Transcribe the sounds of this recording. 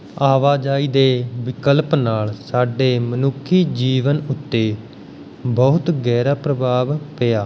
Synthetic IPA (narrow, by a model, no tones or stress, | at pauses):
aːʋaːd͡ʒaːiːd̪eːʋɪkəlpnaːlsaːɖeːmənʊkʰːiːd͡ʒiːʋənʊt̪ːeː | bɔːt̪ɡɛːɾaːpɾəbʱaːʋpejaː